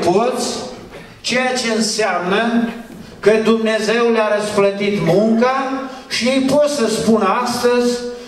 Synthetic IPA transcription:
po̞t̪sʲ | t͡ʃe̞jat͡ʃe̞ɨnseamnə | kəd̪umne̞ze̞wljaɾəsflət̪it̪muŋkaʃiejpo̞t̪səspunast̪əzʲ

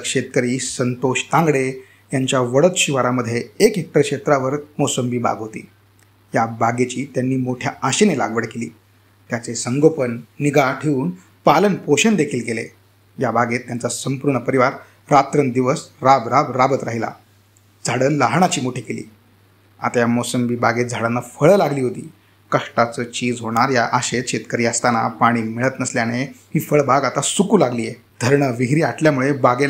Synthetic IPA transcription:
kʂet̪̚kəɾiːsənt̪oɕt̪ãŋɡɽe | t̪jaɲt͡ɕjaʋəɽət̪ɕiʋaɾaməd̪ʱːjeekɦek̚ʈəɾkʂet̪ɾaʋəɾmosəmbiːba̰ɡɦot̪ḭː | jabaɡet͡ɕiːt̪janːiːmoʈʰjaaɕenela̰ɡʋəɽkelḭː | t̪jat͡sesəŋɡopənːiɡaʈʰeuːn | palənpoɕənd̪ekʰiːlkelḛ | jabʱaɡet̪ːjant͡sasəmpuɾɳəpəɾiʋaɾ | ɾat̪ɾənd̪iʋəsɾabɾabɾabət̪ɾaɦila̰ | d͡zʱaɽəlːaɦɳ̃at͡ɕiːmoʈʰekelḭː | a̰t̪ajamosəmbibaɡet̪̚d͡zʱaɽənːafəɭəlaɡliːɦot̪ḭː | kəʂʈat͡səːt͡ɕiːd͡zɦoɽ̃aɾjaʔaɕet͡ɕʰet̪kəɾiːəst̪ana̰paɽ̃iːmiɭət̪nəsljañeɦiːfəɭbaɡat̪asukuːlaɡliːje | d̪̥ʱəɾɳəʋiɦɾiːaʈʰljamuɭebaɡe

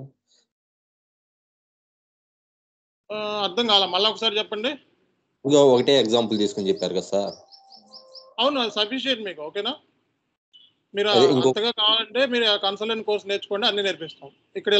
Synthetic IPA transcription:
ɐɾd̪ɐŋkaːlamɐlːaɔkɐsaːɾit͡ʃɛpːɐɳɖi | ɡaokɐʈeːeɡzaːmpult̪iːsu̥kont͡ʃepːaːɾukɐsaːɾ | ɐwnusɐpiʃ̬ieʈmiːkuoːkeːnaː | miːɾuaeiŋkɐt̪ɐɡaːkaːʋaːlɐɳʈe̞ːmiːɾuakɐnsɐleɳʈkoːɾsne̞ːt͡ʃu̥ko̞ːɳɖiɐnːiːniɾpist̪aːm | ikːɐɽi

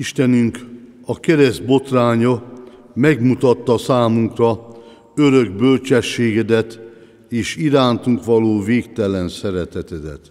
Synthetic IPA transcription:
iʃt̪ɛnyŋkɒkɛɾɛzd̪bo̞t̪raːɲo | mɛɡmut̪ɒt̪ːɒsaːmuŋkrɒ | øɾøɡ̚bø̞lt͡ʃɛʃːeːɡɛd̪ɛt̪ | eːʃiɾaːnt̪uŋkʋɒloːveːkt̪ɛlɛnsɛɾɛt̪ɛt̪ɛd̪ɛ̰t̪

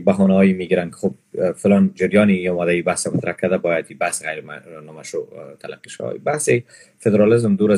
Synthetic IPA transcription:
baɦɔnaɦɔjimiɡiɾankɪ̥xob̚fɪlɑnd͡ʒɪɾjɒnɪiɔmad̪aibahsamat̪ɾʔakːad̪abɔjad̪ibahsɣajɾma̰nɔmaʃot̪ʰala̰qːiʃa̰wa̰ḭbahse | fed̪ɾɑlɪzmd̪uɾa

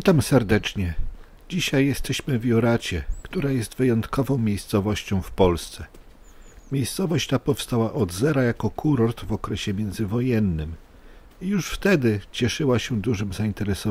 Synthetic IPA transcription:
it̪amsɛɾd̪ɛt͡ʂɲɛ | d͡ʑiɕajːɛst̪ɛɕmɘvʲjɔɾat͡ɕɛkt̪uɾajɛst̪vɘjɔnt̪kɔvɔ̃w̃mʲjejst̪sɔvɔɕt͡ɕɔ̃w̃fpɔlst̪sɛ | mʲjejst̪sɔvɔɕt͡ɕt̪apɔfst̪awaʔɔd̪zɛɾajakɔkʰuɾɔɾt̪vɔkɾɛɕɛmʲjɛnd̪zɘvɔjɛnːɘm | ijuʂft̪ɛd̪ɘt͡ɕɛʂɘwaɕɛd̪uʐɘmzaint̪ɛɾɛsɔ

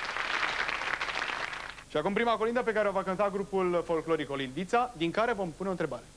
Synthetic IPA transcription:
ʃiakumpɾimako̞lind̪əp̬e̞kaɾeovakənt̪aɡɾupulfo̞lklo̞ɾiko̞lind̪it̪sad̪iŋkaɾe̞vo̞mpuneont̪ɾe̞baɾe̞

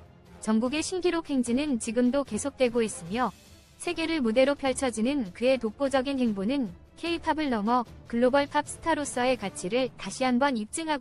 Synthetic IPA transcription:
t͡ɕʌŋɡuɡe̞ɕʰinɡiɾokʰwe̞ŋd͡ʑinɯnt͡ɕiɡɯmdoke̞sʰok̚t͈we̞ɡois͈ɯmjʌ | sʰe̞ɡe̞ɾɯɭmude̞ɾopʰjʌɭt͡ɕʰʌd͡ʑinɯnkɯe̞tok̚p͈od͡ʑʌɡinɦe̞ŋbonɯn | kʰe̞ipʰabɯɭnʌŋʌkɯɭːobʌɭpʰap̚s͈ʰɯ̥tʰaɾos͈ʌe̞kat͡ɕʰiɾɯɭtaɕʰiɦanbʌnip̚t͡ɕ͈ɯŋɦaɡ

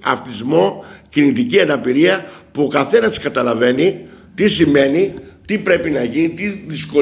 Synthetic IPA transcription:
ɐ̰ft̪izmo̞cinit̪iciɐnɐpiɾiɐpuo̞kɐθe̞nɐskɐt̪ɐlɐve̞nit̪isime̞nit̪ipɾe̞pinɐʝinit̪iðisko̞

